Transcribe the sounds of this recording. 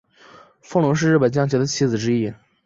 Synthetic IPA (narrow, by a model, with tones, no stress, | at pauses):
fɤ˥˧lʊ˧˥ŋʂ̬ɻ̩˥˧ɻ̩˥˩pə˨˩nt͡ɕjɑ˥˩ŋt͡ɕʰɛ˧˥d̪ə˧t͡ɕʰi˧˥d͡zɹ̩˨˩ʈ͡ʂɻ̩˥i˥˩